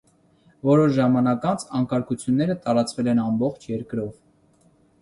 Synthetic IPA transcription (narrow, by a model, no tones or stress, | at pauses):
vɔɾɔʃʒɑmɑnɑkɑnt͡sʰɑŋkɑɾkut͡sʰjunːɛɾət̪ɑɾɑt͡svɛlɛnɑmbɔχt͡ʃʰjɛɾkɾɔv